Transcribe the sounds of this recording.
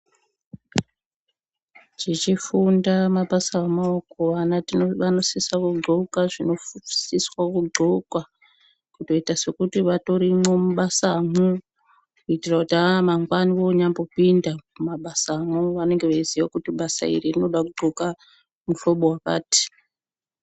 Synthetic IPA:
t͡ʃit͡ʃifundamaɓasaamaokoʋanatiʋano̞sisakuɡ͡ǃʱukaʐino̞siswakuɡ͡ǃʱukwa | kuto̞itase̞kutiʋato̞ɾimwe̞muɓasamu | kuitirakutamaŋɡwaniʋo̞ɲambo̞pindakumaɓasaːmuʋane̞ŋɡeʋeiziʋakutiɓasa̰ḭririno̞ɗakuɡ͡ǃʱoka | mufoɓowaka̰ːti̥

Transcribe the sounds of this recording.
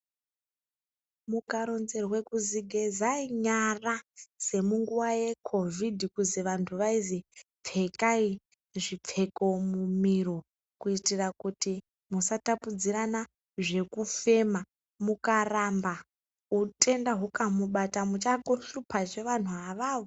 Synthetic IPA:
mukaɾo̞nze̞rwe̞kuziɡʱezaiɲarase̞muŋɡuʋaje̞kʰo̞vʱidʱikuziʋantʰuʋaizi | p͡fʰe̞kai | ʐip͡fʰe̞ko̞mumiro | kuitirakuti | musatapud͡ziɾana | ʐe̞kufe̞ma | mukaramba | utʼe̞ndaɦukamuɓatamut͡ʃaɡoɬupʰaʐe̞ʋan̤uaʋaːʋo

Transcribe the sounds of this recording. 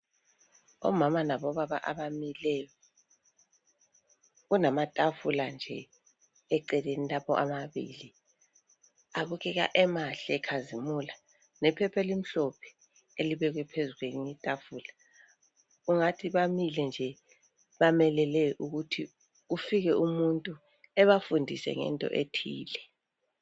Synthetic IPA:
ɔ̰mamanaβɔβaβa̰ʔa̰βamilɛjɔ | ɣunamatʼafuland͡ʒʱɛ | ɛǀɛlenilapʰɔ̰ʔamaβḭːli | aβuɣɛɣa̰ʔɛmaɬɛɛkʰazimula | nɛpʰɛpʰɛlim̩ɬɔpʰɛ̥ | eliβɛɣ̬wɛpʰezuɣweniɲitʼafula | uŋatʰiβamilɛnd͡ʒʱɛ | βamɛlɛlɛʔuɣutʰi | ɣufiɣɛʔumuntʼu | ɛβafundʱisɛ̰ŋɛ̰ntʼɔ̰ʔetʰiːlɛ

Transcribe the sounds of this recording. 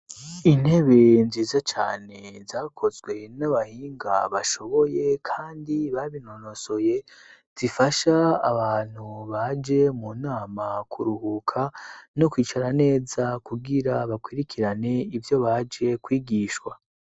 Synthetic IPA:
in̥he̞βe̞nziːzat͡ʃa̰ːne̞zaːkʰo̞zɡwe̞naβahiːŋɡa̰βaʃo̞βo̞je̞kʰaːndiβaβino̞no̞so̞je̞z̥ifaʃaːβaːn̥huβad͡ʒe̞munaːmakʰuɾuhukʰanokwiːt͡ʃaɾane̞ːzakuɡiɾaβakwiɾikʰiɾane̞ivjo̞βad͡ʒe̞kwiːɡiːʃwa

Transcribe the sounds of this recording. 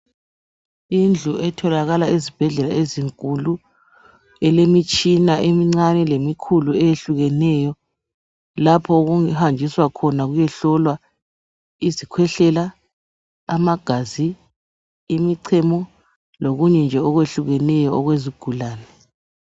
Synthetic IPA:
ind͡ɮʱuɛtʰɔlaɣalaezib̥ʱɛɮɛlaeziŋkʼulu | ɛlemit͡ʃʼinaʔemiŋ͡ǀanɛlemikʰuluɛjeɬuɣɛnɛjɔ | lapʰɔoɣuŋihand͡ʒʱiswakʰɔnaɣujɛɬɔlwa | izikʰwɛɬɛlaː | maɡ̥ʱaziː | miǀʰɛmɔ | loɣuɲɛnd͡ʒʱɛɔɣweɬuɣɛnɛjɔɔɣweziɡ̥ʱulaːnɛ

